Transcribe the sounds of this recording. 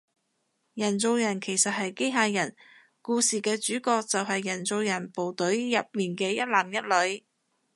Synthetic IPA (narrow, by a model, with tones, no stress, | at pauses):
jɐ˨˩nt͡so˨˧wjɐ˨˩nkʰe˨˩jsɐ˨t̚ɦɐ˨jke˥jɦaː˧jɐ˨˩n | kuː˧siː˨kɛː˧t͡ʃyː˨˥kɔː˧k̚t͡sɐ˨wɦɐ˨jːɐ˨˩nt͡so˨˧wjɐ˨˩npo˨wt̪ɵ˨˥ɥjɐ˨p̚miː˨nkɛː˧jɐ˥t̚laː˨mjɐ˥t̚lɵ˨˧˥ɥ